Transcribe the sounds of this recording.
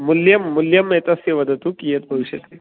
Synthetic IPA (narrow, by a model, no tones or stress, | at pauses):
mʊljɐmːʊljɐmːet̪ɐseʋɐd̪ɐt̪ukijɐt̪̚bʱɐʋiʃɐt̪i